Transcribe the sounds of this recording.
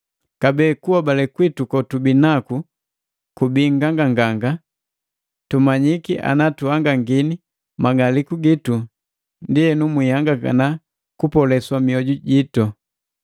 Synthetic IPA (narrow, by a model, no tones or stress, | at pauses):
kabɛːkuwabalɛkwitukɔtubinaku | kubiŋɡaŋɡaŋɡaŋɡa | tumaɲikiʔa̰natuaŋɡaŋɡini | maɡalikuɡitu | ndiɛnumwihaŋɡaa̰na | kupɔlɛswamiɔɟuɟitɔ